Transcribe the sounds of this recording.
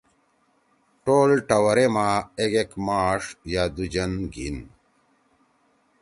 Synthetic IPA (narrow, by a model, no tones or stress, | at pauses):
ʈoːlʈɐwɐɾemaːeɡekmaːʂjaːd̪ud͡ʑɐnɡḭn